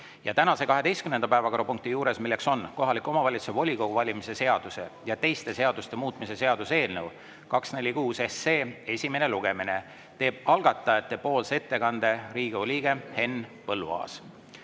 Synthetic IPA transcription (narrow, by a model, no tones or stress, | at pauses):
jɑt̪ænɑse̞kɑɦe̞d̪e̞jst̪kymnenɑpæevɑko̞ɾɑpuŋk̚t̪ijuːɾe̞smilːe̞kso̞nko̞ɦɑlikːˑo̞mɑvɑlʲit̪su̥sevo̞lʲiko̞ɡ̥uvɑlʲimise̞se̞ɑd̪̥use̞jɑt̪e̞jst̪e̞se̞ɑd̪̥ust̪emuːt̪ˑmise̞se̞ɑd̪̥use̞ːlnew | kɑksne̞lʲːikuːsesːeːe̞sʲime̞ne̞luɡ̥e̞mine̞ | t̪e̞ːb̥ɑlɡ̥ɑt̪ːˑɑjɑt̪ːˑe̞po̞ːlse̞t̪ːe̞kɑnd̪̥e̞ɾiːɡ̥iolʲiːɡ̥e̞he̞nːpɤlːuɑ̰ːs